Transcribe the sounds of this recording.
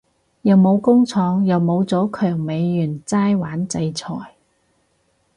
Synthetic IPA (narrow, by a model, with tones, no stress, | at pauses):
jɐ˨wmo˨˧wkʊ˥ŋt͡sʰɔː˨˧ŋjɐ˨wmo˨˧wt͡sɔː˨˥kʰœː˨˩ŋme˨˧jːyː˨˩nt͡saː˥jwaː˨˥nt͡sɐ˧jt͡sʰɔ̰ː˨˩j